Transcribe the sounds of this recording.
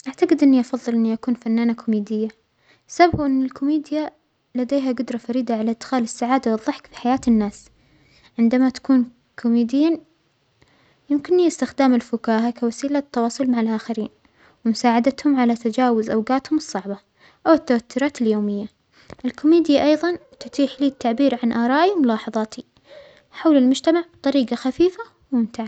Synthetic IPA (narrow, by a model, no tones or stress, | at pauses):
ʔaʕt̪aɡɪd̪ʔɪnːiʔɑfɑðˤːɨlʔɪnːiʔakuːnfanːaːnakʰʊmiːd̪ɪjːa | sabaɡʔɪnːɪlkʊmeːd̪ɪja | lad̪eːɦaɡʊd̪ɾˤɑfaɾiːd̪aʕalaʔd̪xaːlɪsːaʕaːd̪awɨðˤːɑħkfi̥ħajaːt̪ɪnːaːs | ʕɪnd̪amat̪ḁkuːn | kʰʊmiːd̪jiːn | jɪmkɪnːiɪst̪ɪxd̪aːmɪlfʊkaːɦakawasiːlat̪ːɑwɑːsˤʊlmaʕalʔaːxɪɾiːn | wɪmʊsaːʕad̪at̪hʊmʕalat̪ad͡ʒaːwʊzʔawɡaːt̪hʊmɨsˤːɑʕbɑ | ʔawɪt̪ːawat̪ːʊɾˤɑːt̪ɪljoːmɪjːa | ʔɪlkʊmiːd̪jaʔɑjðˤɑnt̪ʊt̪iːħliːt̪ːaʕbiːɾʕanʔɑːɾˤɑːʔimʊlɑːħɑðˤɑːt̪ʰi | ħawlɪlmʊd͡ʒt̪amaʕbt̪ˤːɑɾiːɡaxafiːfa | wmɪnt̪aʕa